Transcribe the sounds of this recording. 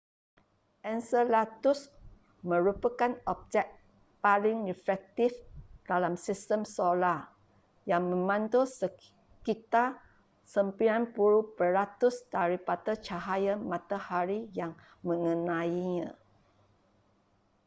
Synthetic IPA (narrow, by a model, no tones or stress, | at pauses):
ʔɛnsəlat̪us | mə̃ɾupakanɔb̚d͡ʒɛk̚ | palɪŋrifɛk̚t̪ifd̥alamsistəmsola | jaŋmə̃mãnt̪osə | kit̪a | səmpiɾanpuɾubəɾat̪usdaɾipadat͡ʃaɦajamãt̪ahaɾijaŋ | mə̃ŋənãiɲã